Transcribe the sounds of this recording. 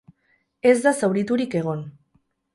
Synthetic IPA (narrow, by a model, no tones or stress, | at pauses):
e̞zd̪asawɾit̪uɾike̞ɣ̞o̞n